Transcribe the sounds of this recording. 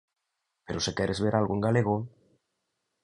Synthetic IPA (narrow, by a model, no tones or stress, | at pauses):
peɾosekɛɾʔezβeɾalɣoeŋɡaleɣo